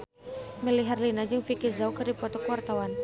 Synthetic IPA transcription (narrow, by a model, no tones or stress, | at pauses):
mɛliɦarlinad͡ʒɨŋfikirzaukɨrdipɔt̪ɔkuwart̪awan